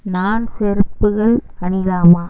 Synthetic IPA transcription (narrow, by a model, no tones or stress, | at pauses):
naːnsɛɾɯpːɯɣɐɭkɐɳɪðaːmaː